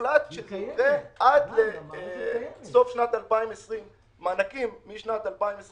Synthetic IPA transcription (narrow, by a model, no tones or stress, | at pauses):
lad̪ʃetiʁeʔad̪le | so̞fʃnat̪alpaimesʁimː | anakimːiʃnat̪alpaimes